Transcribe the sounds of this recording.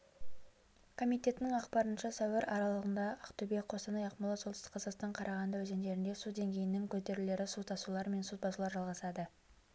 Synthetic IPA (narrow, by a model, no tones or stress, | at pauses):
kʰo̞mijt̪ʲe̞t̪ɪnɪŋɑqpɑɾənʃɑsɑwɪɾʔɑɾɑlˠəʁənd̪ɑʔɑqt̪ube̞k̚qʰost̪ɑnɑjɑqmlˠɑsot̪st̪ɪ̥qʰːɑzɑqst̪ɑɴqʰɑɾʔɑʁɑnd̪əwɵze̞nd̪e̞ɾɪnd̪e̞sud̪e̞ŋɡʲe̞jɪnɪŋkʲʰɵt̪e̞ɾɪle̞ɾɪsut̪ʰɑsulˠɑɾme̞nsut̪̚bɑsulˠɑɾʒɑlˠʁɑsɑd̪ə